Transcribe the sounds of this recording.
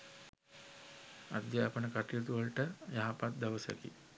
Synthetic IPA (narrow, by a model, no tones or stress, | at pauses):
a̰d̪jəapənəkaʈijot̪uʋəlʈəjaɦapat̪̚d̪aʋəsa̰kḭ